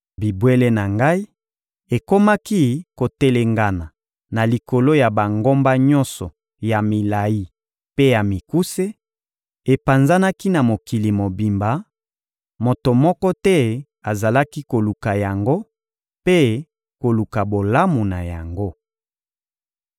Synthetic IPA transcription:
bi˨bwe˦le˦na˨ŋɡa˦i˦ | e˨ko˦ma˦ki˦ko˨te˦le˨ŋɡa˨na˨ | na˨li˨ko˨lo˦ja˨ba˨ŋɡo˦mba˦ɲɔ̃˦nsɔ˨ | ja˨mi˨la˨ji˦ | pe˦ja˨mi˨ku˦se˦ | e˨pa˨nza˦na˦ki˦na˨mo˨ki˨li˨mo˨bi˨mba˨ | mo˨to˨mɔ˦kɔ˦tɛ˦ | a˨za˨la˦ki˦ko˨lu˨ka˨ja˨ŋɡo˦ | pe˦ | ko˨lu˨ka˨bo˨la˦mu˨na˨ja˨ŋɡo˦

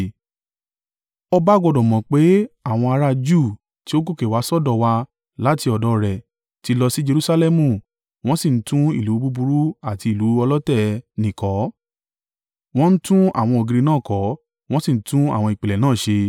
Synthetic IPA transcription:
ɔ˧ba˦ɡɔ˧˨dɔ˨mɔ̃˨k͡pe˨˦a˦˨w̃ɔ̃˧a˧ɾa˧d͡ʒu˦˨ | ti˨˦o˦ɡo˦˨ke˨wa˨˦sɔ˦˨dɔ˧˨wa˧ | la˦ti˧ɔ˨dɔ˧˦ɾɛ˨ | ti˧˦lɔ˧si˦d͡ʒe˧ɾu˧sa˧lɛ˦mũ˨ | w̃ɔ̃˦sĩ˦˨n̩˦tũ˦ḭ˦˨lu˨˦bu˦bu˧ɾu˦a˦˨ti˧i˨lu˨˦ɔ˧lɔ˦tɛ˦nĩ˨kɔ˨˦ | w̃ɔ̃˦n̩˦tũ˦a̰˦˨w̃ɔ̃˧o˨ɡi˨˧ɾi˧nãː˦˨kɔ˨˦ | w̃ɔ̃˦si˦˨n̩˨˦tũ˦a̰˦˨w̃ɔ̃˧i˨k͡pe˨lɛ˨nãː˦˨ʃe˧

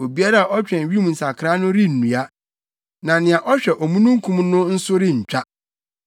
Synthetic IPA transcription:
o˨bi˦a˦ɾa˦˨ʔɔ˦t͡ɕᶣɛ̃˨n˨ɥĩ˦m˨n̩˨sa˨kʰɾa˦nʊ̃˦ɾɪ˦n̩ː˨ũ˨a˦ | nã˨nɪ̃˨ã˨ʔɔ˦ɕᶣɛ˨ʔɔ˨mũ˦nũ˦ŋ̩˦kʰũ˦mnʊ̃˦n̩˦sʊ˦ɾɪ˦ɲ̩˨t͡ɕᶣa˦

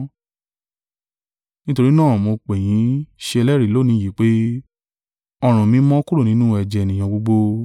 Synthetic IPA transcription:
nĩ˦to˧ɾi˦nãː˦˨mo˧k͡pɛ˨j̃ĩ˨˦ʃe˧ɛ˧lɛ˦ɾi˨˦lo˦˨nĩ˨˦ji˨˦k͡pe˦ | ɔ˧ɾ̃ũ˨mĩ˧˦mɔ̃˦ku˦ɾo˦˨nĩ˨˦nũ˦ɛ˨d͡ʒɛ˨nĩ˨j̃ã˨ɡ͡bo˧ɡ͡bo˧

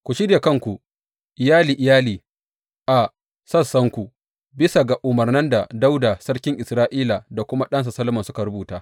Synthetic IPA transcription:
kʷu˨ʃɪ˦ɽja˨kɐ˦ŋkʷu˨ | ʔɪ˨jaː˦liː˨ʔɪ˨jaː˦liː˨ | ʔa˨ | sɐ˦˨sːɐ˦ŋkʷu˨ | bɪ˦sa˨ɡa˨ʔʊ˨mɐ˨rnɐ˦nda˨da˦wda˨sɐ˦ɽkʲɪ˦ŋʔɪ˨sɾaː˦ʔiː˦la˨da˨kʷʊ˦ma˦ɗɐ˦ns̬a˨sɐ˦lmɐ˨sʊ˦ka˨ɾʊ˦buː˨taː˦

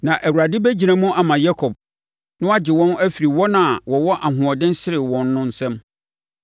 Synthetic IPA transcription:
nã˨ʔæ˨wu˨ɾa˨dɪ˦bæ˦d͡ʑi˨ɾã˦mũ˦ʔa˨mã˨jɛ˦kʰɔ˨b̚ | nʊ̃˦a˦d͡ʑɪ˨wɔ̃˦næ˦fi˨ɾi˨wɔ˦nã˨wɔ˨wɔ˦ʔa˨ɦʊ̃˨ɔ˨dɪ̃˦n̩˦sɪ˦ɾɪ˨wɔ̃˨nːʊ̃˦n̩˨sɛ̃˦m

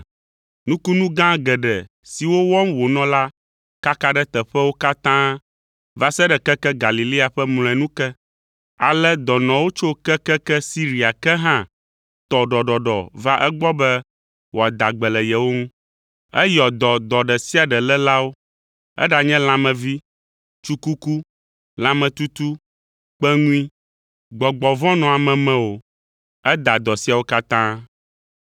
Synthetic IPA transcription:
nũ˦ku˦nũ˦ɡã˦ɡɛ˨ɖɛ˨ | si˨wo˦wɔ˦mwo˨nɔ̃˦la˦ | ka˦ka˦ɖɛ˦t̪ɛ˨ɸɛ˦wo˦ka˦t̪ã˦ | va˨sɛ˦ɖɛ˨kɛ˦kɛ˦ɡa˨li˨li˦a˨ɸɛ˦mlɔ̃˨ɛ̃˨nũ˦kɛ˦ | a˨lɛ˦d̪ɔ˨nɔ̃˨wo˦t͡ʃo˦kɛ˦kɛ˦kɛ˦si˦ɾi˨a˨kɛ˦ɦã˦ | t̪ɔ˨ɖɔ˨ɖɔ˨ɖɔ̰˨va˦ʔɛ˦ɡ͡bɔ˦bɛ˦ | wo˨a˨d̪a˨ɡ͡bɛ˨lɛ˨jɛ˨wo˦ŋũ˦ | ɛ˦jɔ˨d̪ɔ˨d̪ɔ˨ɖɛ˨si˦a˨ɖɛ˨lɛ˦la˦wo˦ | ɛ̰˦ɖa˨ɲɛ̃˦l̃ã˦mɛ̃˨vi˦ | t͡ʃu˦ku˦ku˦ | l̃ã˦mɛ̃˨t̪u˦t̪u˦ | k͡pɛ˦ŋũ˦i˦ | ɡ͡bɔ˨ɡ͡bɔ˨vɔ̃˦nɔ̃˨a˨mɛ̃˨mɛ̃˦wo˨ | ɛ˦d̪a˨d̪ɔ˨si˦a˨wo˦ka˦t̪ã˦

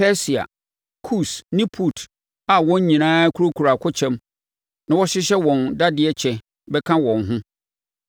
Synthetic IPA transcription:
pɛ˦si˨a̰˨ | kʰu˦˨snĩ˦pʰu˨tʰ | a˨wɔ̃˦ɲ˦ɲĩ˨nãː˦kʰu˦ɾo˦kʰu˨ɾa˨kʰʊ˦t͡ɕʰɛ̃˦m | nã˨wɔ˦ɕɪ˦ɕɛ˦wɔ̃˨nda˦dɪ˨ɛ˦t͡ɕʰɛ˨ | bɛ˦kʰã˦wɔ̃˨nɦʊ̃˦

